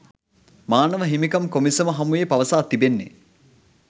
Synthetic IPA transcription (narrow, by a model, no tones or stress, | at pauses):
maːnəʋəɦimikɐmkomisəməɦɐmujepaʋəsaːt̪ːibenːḛ